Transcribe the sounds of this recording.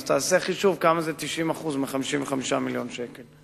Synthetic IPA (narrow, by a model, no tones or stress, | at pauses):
t̪aːseaχiʃuvkamazet̪iʃimaχuzmiχamiʃimveχamiʃamiljo̞nʃekel